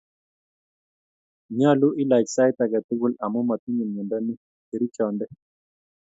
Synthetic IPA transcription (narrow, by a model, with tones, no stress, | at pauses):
ɲã˦˨lu˦ʔi˦la˨jksa˦jt̪a˨ɡa˨t̪i˦ɡu˦la˨mo˦ma˨t̪i˦ɲi˨nɲu˨nd̪a˦nĩ˦ | ke˨ɾi˦t͡ʃɔ˨nd̪e˦